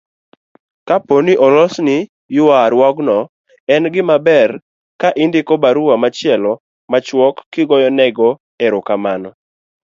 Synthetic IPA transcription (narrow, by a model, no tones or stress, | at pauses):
kaponiʔɔlɔsni | jʊwaɾwɔɡnɔ | ɛnɡɪmabɛr | kaʔindɪkɔbaɾuwamat͡ʃɪɛlɔ | mat͡ʃwɔkːɪɡɔjɔnɛɡɔ | ɛɾokamanɔ